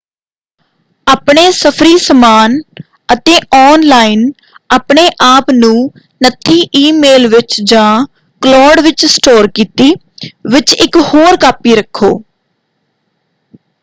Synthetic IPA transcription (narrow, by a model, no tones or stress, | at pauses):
aːpɳeːsəpʰɾiːsəmaːn | ət̪eːʔɔːnlaːin | aːpɳeːʔaːpnũː | nət̪ʰːiːʔiːmeːlʋɪt͡ʃd͡ʒãː | klɔːɖʋɪt͡ʃsʈoːɾkiːt̪iː | ʋɪt͡ʃɪkhoːɾkaːpiːɾəkʰːo̰ː